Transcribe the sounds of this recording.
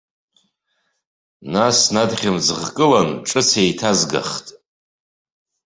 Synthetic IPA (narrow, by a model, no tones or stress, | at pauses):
nasnadχʲamd͡zɨʁkʼɨlanʈ͡ʂʼɨt͡sʰejtʰazɡa̰χtʼ